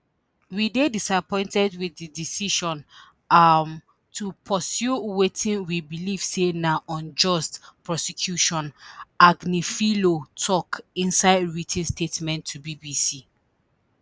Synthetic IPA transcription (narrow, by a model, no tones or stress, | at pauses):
widedisapɔ̃ɪ̃ntɛdwiidisiʃɔ̃n | m | tʰupʰɔsjuwetĩnwibiliv̥senaʔɔ̃nd͡ʒɔstpɹɔsikʰjuʃɔ̃naɡnifilotʰɔkĩnsaɪdɹitʰĩnstetmɛ̃ntʰːubibisi